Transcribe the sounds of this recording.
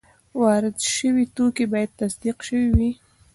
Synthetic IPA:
wɑɾɪd̪ʃəwit̪okebɑjad̪̚t̪asd̪iqʃəwiwi

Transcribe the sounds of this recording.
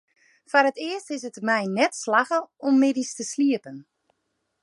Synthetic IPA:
faɾətɪəstɪsətmɛjnɛtslaxəɔmːɪdistəsliəpən

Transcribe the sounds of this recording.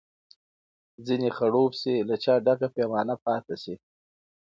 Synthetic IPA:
zinexaɽobsilat͡ʃɑɖakapemɑnapɑt̪asi

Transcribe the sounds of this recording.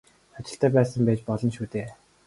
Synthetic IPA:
at͡ɕɪ̆ɬt̪ʰæːpæːsə̆mpæːt͡ɕpɔɮɞ̆nʃuːt̪eː

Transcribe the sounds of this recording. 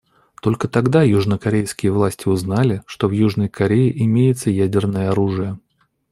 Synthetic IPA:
t̪o̞lʲkət̪ɐɡd̪ajuʐnəkɐɾʲejskʲɪjəvlˠasʲtʲɪʊznalʲɪʂt̪o̞vjuʐnəjkɐɾʲejɪʔɪmʲejɪt̪səjædʲɪrnəjəɐɾuʐɨjə

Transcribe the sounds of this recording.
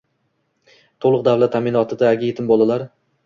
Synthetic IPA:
t̪ʰolˠʊq̚d̪awlat̪ʰːamɪnɒt̪ʰɪd̪aɡʲɪjet̪ʰɪmbɒlˠalaɾ

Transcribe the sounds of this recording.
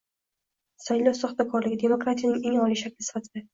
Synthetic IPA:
sajlɒwsɒχt̪akʰɒɾlɪɡʲɪd̪e̞mokɾat̪ʰijanɪŋeŋɒlˠiʃakʲlɪsɪ̥fat̪ʰɪd̪̥a

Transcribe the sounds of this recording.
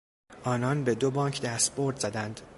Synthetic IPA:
ʔɒːnɒːnbe̞d̪obɒːŋcʰd̪æst̪bo̞ɾd̪z̥æd̪ænd̪̥

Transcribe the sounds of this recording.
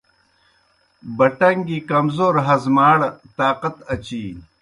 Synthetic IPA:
bɐʈɐŋɡikɐmzoːɾɦɐzmaːɽt̪aːqɐt̪ɐt͡ɕiː

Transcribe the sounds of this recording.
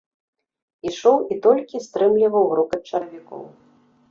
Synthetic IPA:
iʂɔwit̪ɔlʲkʲist̪ɾɨmlʲivɐwɾukɐt͡ʂɐɾɐvʲikɔ̰w

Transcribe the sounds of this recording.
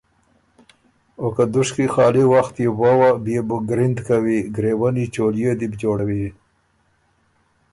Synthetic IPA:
okad̪ʊʂkixɑːliwaxt̪jewawabijebʊɡɾɪnd̪kawiɡɾewanit͡ʃoljed̪ibd͡ʒoɽawi

